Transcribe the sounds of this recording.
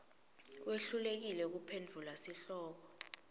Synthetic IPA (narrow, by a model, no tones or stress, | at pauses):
wʔeɬulek̬ilɛk̬upʰend͡ɮʱulasiɬɔːk̬ɔ